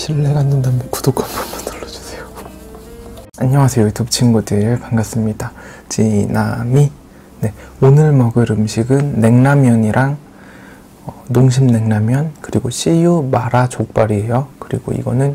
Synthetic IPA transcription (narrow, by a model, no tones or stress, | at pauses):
ɕʰiɭːe̞ɡanːɯndamʌnkudokʰanponbo̥tɯɭːʌd͡ʑu̥sʰejo | aɲʌŋasʰejotʰopt͡ɕʰinɡudɯɾɯɭkaŋɡas͈ɯmɲida | t͡ɕinami | ne̞onɯɭmʌɡɯɾɯmɕʰiɡɯnːe̞ŋnamjʌɲiɾʔaŋ | ʌnoŋɕ̬ʰimne̞ŋnamjʌnkɯɾiɡoɕ͈ʰijumaɾat͡ɕok̚p͈aɾiɦejʌkɯɾḭɡo̰ḭɡʌnɯn